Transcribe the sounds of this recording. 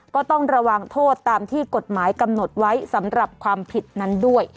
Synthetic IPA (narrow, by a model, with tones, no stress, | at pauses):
kɔː˥˩t̪ɔ˥˩ŋɾa˧wa˧ŋt̪ʰoː˥˩t̪ːaː˧mt̪ʰiː˥˩ko˨˩t̪̚maː˩˦jka˧mno˨˩t̪̚wa˦˥jsa˩˦mɾa˨˩p̚kʰwaː˧mpʰi˨˩t̪̚na˦˥ndu˥˩əj